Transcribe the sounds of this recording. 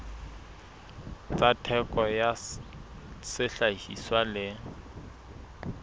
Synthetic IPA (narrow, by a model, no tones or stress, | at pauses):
t͡satʰɛkʼɔja | sɪɬahḭswalɪ